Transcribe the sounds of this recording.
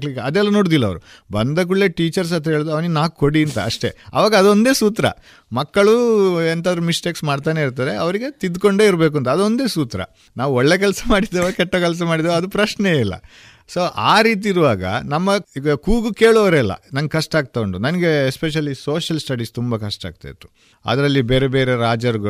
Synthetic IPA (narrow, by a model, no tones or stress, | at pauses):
kliːɡɐɐd̪ɛlːɐnoːɽd̪ilːɐʋɾṵ | bɐnd̪ɐk̬uɭːeːʈiːt͡ʃɐɾs̬ɐnt̪ɐɦeɭd̪uɐʋninaːk̚koɽiɐnt̪ɐɐʂʈe̞̰ɐ̰ʋaːɡɐːd̪ond̪eːsuːt̪ɾɐ̰ | mɐkːɐɭuent̪aːd̪ɐɾumisʈeːksmaːɖt̪aːne̞iɾt̪aːɾe̞ʔɐʋɐɾiɡet̪id̪ko̞ɳɖe̞ːiɾbe̞ːk̬uɐnt̪̬ɐːd̪o̞nd̪e̞ːsuːt̪ɾɐ̰ | naːʋɔɭːe̞ːk̬ɛlɐsɐmaːɽid̪eʋokɛʈːokɛls̬ɐmaːɽid̪ɐʋɐd̪upɾɐʃneilːɐ̰ | so̞ːʔaːɾiːt̪̬iiɾuʋaːɡɐ̰nɐmːɐɡɐkuːɡuke̞ːɭoʋɐɾɛlːɐ̰nɐŋɡkɐʂʈaːɡ̚t̪ɐkoɳɖunɐnɐɡe̞ːspeʃ̬ɐlːiso̞ːʃɐlsʈɐɖist̪umbɐkɐʂʈa̰ːɡ̚t̪a̰id̪u | ɐ̰d̪ɐɾɐlːibeːɾebe̞ːɾeɾaːd͡ʒɐɾɡ